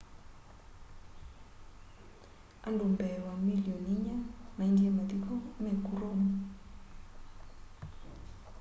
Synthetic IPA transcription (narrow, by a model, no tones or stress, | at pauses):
andumbɛlwamiliɔniɲamaind͡ʒɛmad̪ikʰɔmɛkuɾomɔ